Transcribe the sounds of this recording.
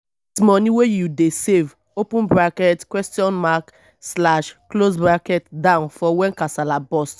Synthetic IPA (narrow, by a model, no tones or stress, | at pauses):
tmɔniwejudesev | opũnbɾakɛtkwɛstiɔ̃nmak | slaʃklos̬bɾakɛtdãʊ̃nfɔwɛnkasalabɔst